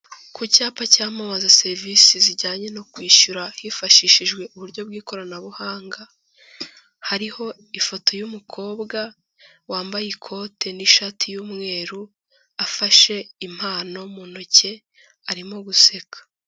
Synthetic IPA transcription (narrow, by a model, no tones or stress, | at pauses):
kucaːpacaːmamazase̞ɾvisiziɟaːɲe̞no̞kwiːʃuɾahifaʃiʃiʒɡwe̞ʔuβuɾɟo̞bɡiːko̞ɾanaβuhaːŋɡa | haɾiho̞ | ifo̞tʰo̞jumukʰo̞ːbɡa | waːmbajikʰo̞tʰe̞niʃatʰijuːmŋe̞ːɾu | afaʃe̞im̥haːno̞munoce̞ | aɾimoɡuse̞kḁ